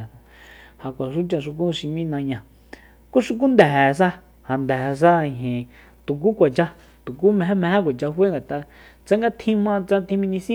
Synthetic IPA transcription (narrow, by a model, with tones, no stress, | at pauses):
ha˨kʷa˨ʃu˦t͡ʃã˧ʃu˧k̬ũ˦˧ʃi˧mĩ˦nã˧ɲã˧ | ku˦ʂu˧k̬u˦nd̪ɛ˨ɦɛ˨˧s̬a˦ | ha˨nd̪ɛ˨˧s̬ã˦˨ɦĩ˨ | t̪u˨k̬u˦kʷa˨t͡ʃa˧ | t̪u˨k̬u˦mɛ̃˧˦mɛ̃˧hẽ˦kʷa˨t͡ʃa˧ɦwe˦ŋɡa˨t̪a˧ | t͡sã˦ŋɡa˦t̪ʰĩ˦mã˦˧t͡sã˦t̪ʰĩ˦mĩ˧nĩ˧sĩ˦